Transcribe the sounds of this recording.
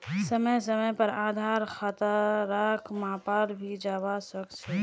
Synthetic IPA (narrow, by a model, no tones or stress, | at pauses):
səməjsəməjpəɾaːd̪ʱaːɾxat̪əːaːkʰmaːpaːɾbʱid͡ʒaːʋasəkt͡ʃʰe